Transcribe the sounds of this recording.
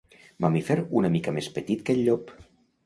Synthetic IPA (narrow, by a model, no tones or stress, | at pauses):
mamifeɾunəmikəmespət̪it̪kəʎːɔp